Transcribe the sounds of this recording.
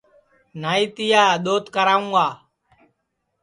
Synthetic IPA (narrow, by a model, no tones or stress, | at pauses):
naːiːt̪ɪjaːɗ̪oːt̪kəɾaːũŋːɡaː